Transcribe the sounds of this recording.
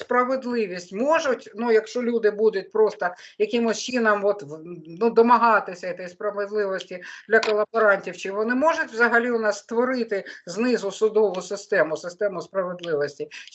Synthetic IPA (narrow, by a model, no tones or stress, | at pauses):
spɾɐʋed̪lˠɪʋʲisʲtʲmɔʒʊtʲnujɐkʃt͡ʃɔlʲud̪ɪbud̪ʊt̚ʲpɾɔst̪ɐjɐkɪmʊst͡ʃinɐmʋɔt̪nud̪ɔmɐɦɑt̪ɪsʲɐit̪ɛjspɾɐʋed̪lˠɪʋɔsʲtʲid̪lʲɐkɔlˠɐbɔɾɑnʲtʲiwt͡ʃɪʋɔnɪmɔʒʊtʲʋzɐɦɐlʲiʊnɑst̪ʋɔɾɪt̪ɪznɪzʊsʊd̪ɔʋʊsɪst̪ɛmʊsɪst̪ɛmʊspɾɐʋed̪lˠɪʋɔsʲtʲi